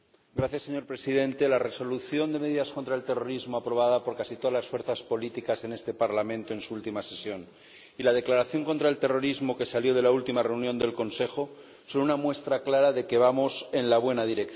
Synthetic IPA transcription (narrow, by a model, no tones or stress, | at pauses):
ɡɾaθjasːe̞ɲo̞ɾpɾe̞siðe̞nt̪e̞lare̞so̞luθjo̞nd̪e̞me̞ðiðasko̞nt̪ɾae̞lt̪e̞ro̞ɾizmo̞apɾo̞β̞aðapo̞ɾkasit̪o̞ðazlasfwe̞ɾθaspo̞lit̪ikase̞ne̞st̪e̞paɾlamẽnt̪o̞e̞nsuult̪imase̞sjo̞n | ilað̞e̞klaɾaθjo̞ŋko̞nt̪ɾaelt̪e̞ro̞ɾizmo̞ke̞saljo̞ð̞elault̪imare̞unjõ̞nd̪e̞lko̞nse̞xo̞ | solunamwe̞st̪ɾaklaɾaðeke̞β̞amo̞se̞nlaβ̞we̞naðiɾe̞kθ